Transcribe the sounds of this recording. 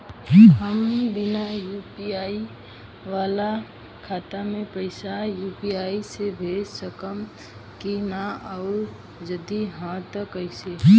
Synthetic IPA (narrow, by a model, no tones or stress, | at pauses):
ɦəmbɪnajupiaːi | ʋaːla | kʰaːt̪amẽpəɪsajuːpiaːisebʱeːd͡ʒsəkəm | kinaəʊɾ | d͡ʒəd̪iɦãt̪əkəɪse